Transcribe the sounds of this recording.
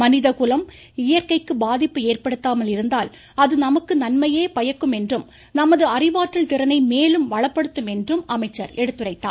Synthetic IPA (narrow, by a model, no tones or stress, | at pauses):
mɐnɪðɐkʊlɐm | ɪjɐɾkɐɪkːɯbaːðɪpːɯeːrpɐɽɯt̪ːaːmɐlɪɾɯnd̪aːl | ɐðɯnɐmɐkːɯnɐnmɐjeːpɐjɐkːɯmɛndrɯm | nɐmɐðɯɐrɪʋaːʈrɪlt̪ɪɾɐnɐɪmeːlɯmʋɐɭɐpːɐɽɯt̪ːɯmɛndrɯmɐmɐɪt͡ʃːɐɾɛɽɯt̪ːɯrɐɪt̪ːa̰ː